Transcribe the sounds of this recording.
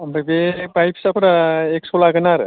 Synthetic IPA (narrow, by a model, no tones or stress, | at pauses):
ambabepajpʰsapuɾaeksolaɡɯnaɾ